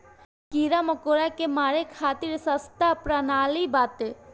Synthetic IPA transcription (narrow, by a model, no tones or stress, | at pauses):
kiɾamɐkoːɾakemaːɾekʰaːt̪iɾsɐst̪apɾanaːlibaːt̪